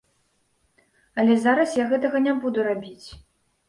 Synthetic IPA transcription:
ɐlʲɛzaɾɐsjaɣɛt̪ɐɣɐnʲɛbud̪uɾabʲit͡sʲ

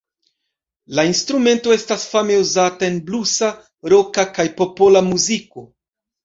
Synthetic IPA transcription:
lainstɾume̞nto̞e̞stasfame̞uzatae̞nblusa | ɾo̞kakajpo̞po̞lamuziko̞

